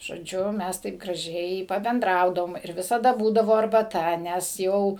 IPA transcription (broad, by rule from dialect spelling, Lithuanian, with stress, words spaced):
ʒoːˈd͡ʒʲʊ ˈmʲæs tɐɪp ɡrɐˈʒʲɛɪ pɐbʲɛnˈdrɐʊdɐʋoːm ɪr ˈʋʲɪsɐdɐ ˈbuːdɐʋoː ɐrbɐˈtɐ ˈnʲɛs ˈjɛʊ